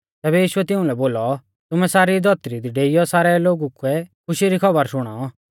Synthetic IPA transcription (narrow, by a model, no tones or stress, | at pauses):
t̪ɛːbɛjiːʃʊɛt̪ɪũlɛboːlɔ | t̪ʊmɛsaːɾid̪ʱɔt̪ɾid̪iɖeːijɔsaːɾɛloːɡukuɛkʰʊʃiɾikʰɐbəɾsʊɽ̃a